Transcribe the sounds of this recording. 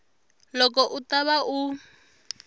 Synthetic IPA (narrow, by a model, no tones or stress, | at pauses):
lɔkɔʔutaβaʔu